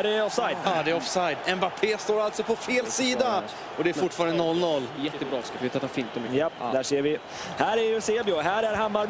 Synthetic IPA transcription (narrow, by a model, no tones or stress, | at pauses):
ɾɛɔfsajd̪d̪ɛɔfsajd̪ɛnbapʰeːst̪oːɾalt̪sɔpʰɔfeːlsiːd̪a | ɔd̪ɛæɾfʊʈːfɑːɾand̪ənɔlːnɔlːjɛt̪ːəbɾɑːskafvet̪ɾt̪ːhafiːnt̪ɔmjapːd̪æːʂeːɾvɪ | hæːɾæɾjɵseːbjɪɔɦæːɾæɾɦamːaɾ